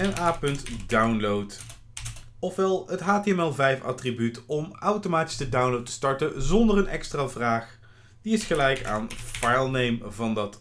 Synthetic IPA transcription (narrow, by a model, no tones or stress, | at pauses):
ɛnaːpɵntdawnlowt | ɔfʋɛlˠətɦaːteɛmɛlˠvɛjfɑ̰tribytɔmawtomaːti̥sdədawnlowtə̥stɑɹtənzɔndərənɛ̰kstraːvraːχ | diɪsχəlɛjka̰ːnfajlˠnejmvɑndɑt